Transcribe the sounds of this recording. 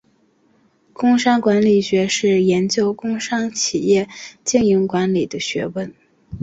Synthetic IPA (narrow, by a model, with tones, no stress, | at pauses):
kʊ˥ŋʂɑ˥ŋkwa˧˥nli˨˩ɕɥɛ˧˥ʂɻ̩˥˩jɛ˧˥nt͡ɕjo˥ʊkʊ˥ŋʂɑ˥ŋt͡ɕʰi˨˩jɛ˥˩t͡ɕi˥˩ŋji˧˥ŋkwa˧˥nli˨˩d̪ə˦ɕɥɛ˧˥wə˥˩n